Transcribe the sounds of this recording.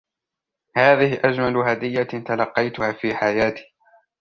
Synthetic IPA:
haːðɪhɪʔad͡ʒmalʊhad̪ɪjːat̪alɑqːɑjt̪ʊhaːfiːħajaːt̪i̥ː

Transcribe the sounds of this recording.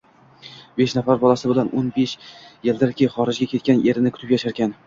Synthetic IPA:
be̞ʃnafaɾbɒlˠasɪbɪlanʔonbeʃjeld̪ɪɾkʲʰejχɒɾɪd͡ʒɡʲakʲʰe̞t̪̚kʲanʔe̞ɾɪnɪkʰʊ̥t̪ɪpjaʃaɾkʲan

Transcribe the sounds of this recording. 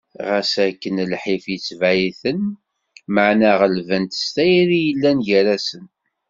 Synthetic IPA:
ʁæsækːənlħifjət͡sːviθən | məʕnæʁəlvənt̪st̪æjɾijəlːænʝæɾæsən

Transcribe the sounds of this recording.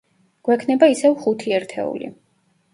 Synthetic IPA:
ɡ̥wɛkʰnɛbaisɛvχut̪ʰiɛɾt̪ʰɛ̰ṵlḭ

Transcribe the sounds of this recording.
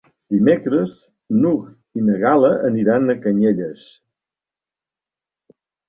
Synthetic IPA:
d̪imekɾəz | nuk | inəɣaləʔəniɾanəkəɲeʎəs

